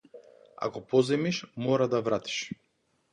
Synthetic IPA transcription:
a̰kɔpɔzɛmiʃmɔɾad̪avɾat̪i̥ʃ

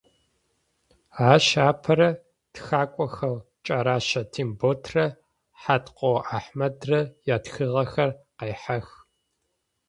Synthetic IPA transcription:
aːʃaːpʰɐɾɐ | txaːkʷʼɔxɐl | t͡ʃʼɐɾaːʃɐtʰiːmboːtʰrɐ | ħatqʷʼoʔaːħmɐdrɐjaːtxɨʁɐxɐrqejħax

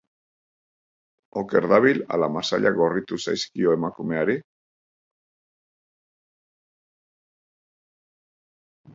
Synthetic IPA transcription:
oke̞ɾðaβila̰lamasa̰ʎaɡo̞rit̪usajskio̞e̞makume̞aɾi

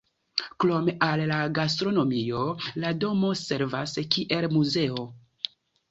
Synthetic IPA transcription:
klo̞meʔalːaɡas̬tɾo̞no̞mio̞lado̞mo̞se̞ɾvaskiʔe̞lmuze̞o̞

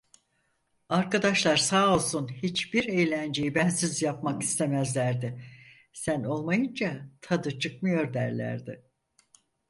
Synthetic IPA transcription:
aɾkad̪aʃlˠaɾsaːo̞lˠsunhit͡ʃbiɾe̞jlʲænd͡ʒe̞jibænsizjapmakist̪ʰe̞mæzlʲæɾd̪ɪ | sæno̞lˠmajɯnd͡ʒat̪ʰad̪ɯt͡ʃʰɯk̚mɯjo̞ɾd̪æɾlʲæ̰ɾd̪ɪ

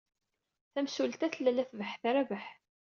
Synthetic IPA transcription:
θæmsult̪æθəlːælæθvəħθɾavəħ

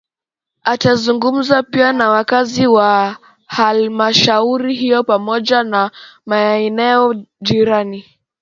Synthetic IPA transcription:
atazuŋɡum̩zapianawakaziwa | halmaʃauɾiɦijɔpamɔʄanamaɛɛnɛɔʄiɾani

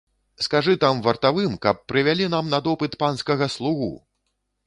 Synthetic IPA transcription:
skaʐɨt̪amvɐrt̪avɨmkɐpːɾɨvʲalʲinamnɐd̪ɔpɨt̪panskɐɣɐslˠuɣṵ

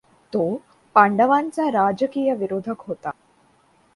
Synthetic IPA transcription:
t̪o | paɳɖəʋant͡saɾad͡ʒəkiːjəʋiɾod̪ʱəkɦot̪a

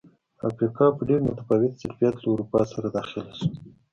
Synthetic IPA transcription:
a̰fɾikɑpəɖeɾmʊt̪afɑwɪt̪sɪɾfijat̪lauɾupɑsaɾad̪ɑxɪlasu̥

